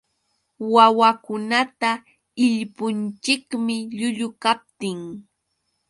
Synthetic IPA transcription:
wawakʊnat̪a | ɪʎpʊnt͡ʃɪkmɪʎʊʎʊkap̚t̪ɪŋ

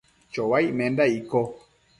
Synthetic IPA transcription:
t͡ʃɔwajmɛ̃ndaikɔ

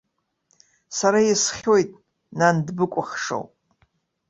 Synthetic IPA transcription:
saɾajisχʲo̞jtʼ | nandbɨkʷʼʊχʲʂo̰w

